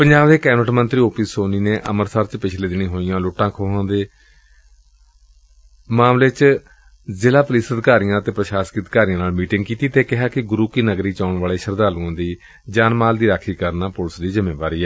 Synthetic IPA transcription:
pəɲd͡ʒaːbd̪eːkɛːnəʈmənt̪ɾiːoːpiːsoːniːneːʔəməɾsaːɾt͡ʃpɪt͡ʃʰleːd̪ɪnĩːɦoːijãːlʊʈːãːkʰoːɦãːd̪eː | maːmleːt͡ʃ | zɪlaːpʊliːsəd̪ɪkaːɾijãːt̪eːpɾəʃaːskəd̪kaːɾijãːnaːlmiːʈɪŋɡkiːt̪iːt̪eːkɪɦaːkɪɡʊɾuːkiːnəɡɾiːt͡ʃaːʊɳʋaːleːʃəɾd̪aːluãːd̪iː | d͡ʒaːnmaːld̪iːɾaːkʰːiːkəɾnaːpʊlsd̪iːzɪmeːʋaːɾiːɛː

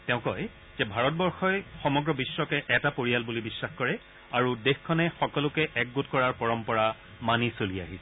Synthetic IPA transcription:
tɛʊ̃kɔj | z̥ɛbʱaɹɔt̚bɔɹxɔjxɔmɔɡɹɔbiswɔkɛʔɛtapoɹijalbulibisːaxkɔɹɛ | aɹudexkʰɔnɛxɔkɔlʊkɛʔɛk̚ɡotkɔɹaɹpɔɹɔmpɔɹa | manisolia̰ɦisɛ

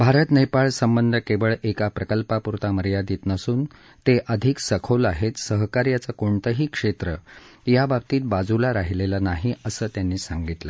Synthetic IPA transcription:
bʱaɾət̪nəjpaɭsəmbənd̪ʱəkeʋəɭekapɾəkəlpapuɾt̪aməɾjad̪iːt̪nəsuːn | t̪eʔəd̪ʱiksəkʰolaɦet̪səɦkaɾjat͡səkoɳt̪əɦiːkʂet̪ɾəjabab̚t̪iːt̪̚bad͡zulaɾaɦilelənaɦiəsəːt̪janːiːsaŋɡit̪lə̰

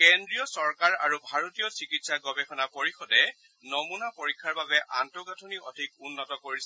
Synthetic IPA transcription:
kɛndɹijɔsɔɹkaɹa̰ɹubʱaɹotijɔsikitsaɡɔbɛxɔnapoɹixɔdɛ | nɔmunapoɹikʰːaɹbabɛʔantɔɡatʰuniɔdʱik̚unːɔtɔkoɹisɛ

